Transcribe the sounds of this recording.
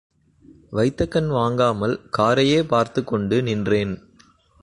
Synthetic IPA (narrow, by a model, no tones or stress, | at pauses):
ʋɐɪt̪ːɐkːɐnʋaːŋɡaːmɐlkaːɾɐjeːpaːɾt̪ɯkːɔɳɖɯnɪndreːn